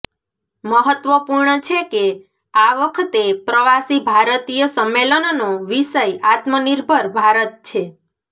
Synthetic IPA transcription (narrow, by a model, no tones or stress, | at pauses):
məɦət̪ʋəpuɾɳət͡ʃʰeke | aʋəkʰət̪epɾəʋasibʱaɾət̪ijəsəmːelənnoʋiʃəjat̪məniɾbʱəɾbʱaɾət̪̚t͡ʃʰe